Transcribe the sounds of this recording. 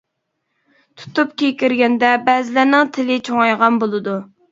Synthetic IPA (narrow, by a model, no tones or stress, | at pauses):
t̪ʰu̥t̪up̚kʲʰekʲiɾɡʲɛnd̪ɛbɛzɪlænɪŋt̪ʰɪlɪt͡ʃʰoŋɑjʁɑnbolˠɨd̪u